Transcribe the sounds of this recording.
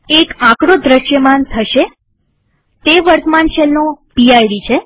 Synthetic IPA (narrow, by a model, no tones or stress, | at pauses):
ekãkɽod̪ɾəʃjəmant̪ʰəʃe | t̪eʋəɾt̪əmanʃelnːõpiajɖit͡ʃʰe